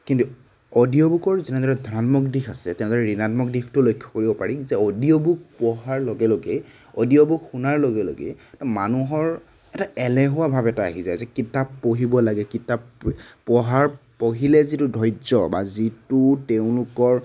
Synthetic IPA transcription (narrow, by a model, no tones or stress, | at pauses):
kintu | odijɔbukɔɹzɛnɛdɔɹɛdʱɔnanmɔk̚dixasɛtɛnɛdɔɹɛɹinatmɔk̚dixtʊlojkʰːɔ̥koɹibɔpaɹizɛodiɔbuk̚pɔɦaɹloɡɛloɡe | odiɔbukxunaɹloɡɛlo̰ɡḛtɔmanuɦɔɹ | ɛtaɛlɛɦʊwabʱabɛta̰ːɦizajzɛkitapːoɦibɔlaɡɛkitappɔɦaɹpoɦilɛzitʊdʱɔjzɔbazitutɛʊ̃lʊkɔɹ